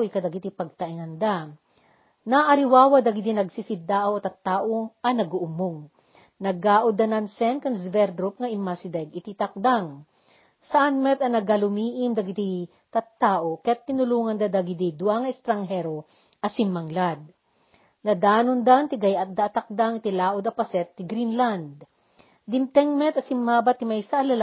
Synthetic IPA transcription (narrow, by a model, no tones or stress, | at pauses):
jkɐd̪ɐɡɪt̪ipɐɡ̚t̪ɐʔiŋɐnd̪a | naʔɐɾɪwaːwɐd̪ɐɡɪd̪inɐɡsisɪd̪aːʔɐwt̪ɐt̪ːaːʔoɐnɐɡuʔʊmoŋ | nɐɡaːʔod̪ɐnɐnsɛnkɐŋsvɛɾd̪ɾup̚ŋɐʔɪmasɪd̪ɛɡɪt̪it̪ɐk̚d̪aŋ | sɐʔanmɛt̪ɐnɐɡalʊmiːʔɪmd̪ɐɡɪt̪i | t̪ɐt̪ːaːʔokɐjat̪̚pːɪnʊluːŋɐnd̪ad̪ɐɡɪd̪id̪waŋɐɛst̪ɾɐŋɦɛɾo | ʔɐsimːɐŋlad̪̚ | nɐd̪aːnond̪ant̪ɪɡɐjʔat̪̚d̪aːt̪ɐk̚d̪aŋɪt̪ilaːʔʊd̪ɐpɐsɛt̪ːɪɡɾinland̪̚ | d̪ɪmt̪ɛŋmɛt̪ɐsɪmːaːbat̪ɪmajsɐʔɐlɐl